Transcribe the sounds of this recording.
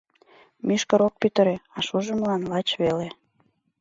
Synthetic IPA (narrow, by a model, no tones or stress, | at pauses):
myʃkəɾok̚pyt̪əɾeɑʃuʒəmlɑnlɑt͡ɕβele